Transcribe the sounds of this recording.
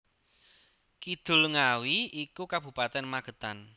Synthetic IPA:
kid̪̥ʊ̤lŋawiikukab̥ṳpat̪ɛnmaɡ̥ə̤t̪an

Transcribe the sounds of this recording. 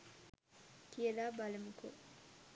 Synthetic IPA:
kiəlaːbalɐmuko̰

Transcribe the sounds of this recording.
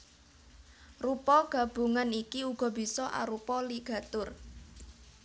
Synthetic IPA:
rupɔɡ̥ä̤b̥ṳŋanikiuɡ̥ɔ̤b̥i̤sɔʔa̰ɾupɔliɡ̥a̤t̪ʊr

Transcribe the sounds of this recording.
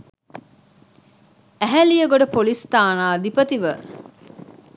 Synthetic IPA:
æɦælijəɡoɖəpolist̪aːnaːd̪ipət̪iʋə

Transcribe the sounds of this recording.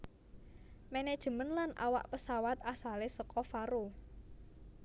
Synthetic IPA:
mɛnɛd̥ʒ̥ə̤mənlanʔa̰wa̰ʔpəsawat̪asalesəkɔfaɾu

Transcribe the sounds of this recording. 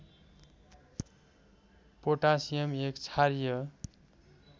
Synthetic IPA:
poʈasijʌmekt͡sʰaɾijʌ

